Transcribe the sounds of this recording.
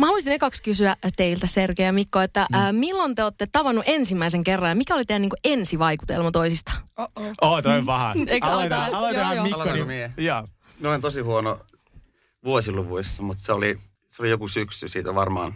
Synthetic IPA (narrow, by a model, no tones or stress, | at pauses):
mɑɑluist̪inekɑkskysyæt̪eilt̪æserkejɑmikːoet̪ːæːmilːont̪eoːt̪ːet̪ɑʋɑnːuʔensimːæiseŋkerːɑjɑmikæolit̪ejniːŋkuʔensiʋɑiku̥t̪ḛlmɑt̪oisist̪ɑ̥oːt̪oʋɑhæekɑlot̪omimiejɑː | noint̪osihuono | ʋuosilupuisːɑmut̪seoli | seolijokusyksysiːt̪æʋɑrmɑ̰ːn